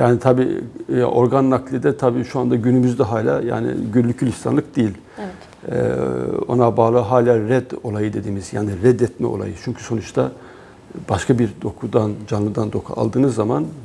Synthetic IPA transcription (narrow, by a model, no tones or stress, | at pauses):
jaːnit̪ʰabḭːʔo̞ɾɡanːaklʲid̪ɛt̪ʰabiːʃuand̪aɟynymyzd̪ɛɦaːlʲa̰ːja̰ːnḭɟynlʲycʰylʲist̪ʰa̰nlˠɯk̚d̪̥ejilʲ | ɛ | ɛ̰o̞̰nabaːlˠɯɦaːlʲaːɾɛd̪o̞lˠajɯd̪e̞d̪iːmizja̰ːniɾɛd̪ɛt̪mɛ̰o̞̰lˠa̰jɯt͡ʃʰyɲcʰy̥so̞nut͡ʃt̪ʰa | b̥aʃkʰabiɾd̪o̞kʰud̪and͡ʒanlˠɯd̪and̪o̞kʰṵa̰lˠd̪ɯːnɯzːaman